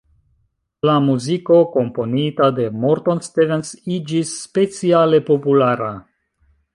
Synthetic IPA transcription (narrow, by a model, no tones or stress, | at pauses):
lamuziko̞ko̞mpo̞nitade̞moɾtonstivensid͡ʒisːpe̞t͡siale̞po̞pulaɾa